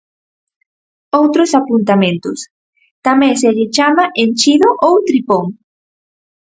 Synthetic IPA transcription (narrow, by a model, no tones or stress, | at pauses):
owt̪ɾosapunt̪amẽnt̪ʊs | t̪amẽseʎet͡ʃamaʔent͡ʃiðoʔowt̪ɾipoŋ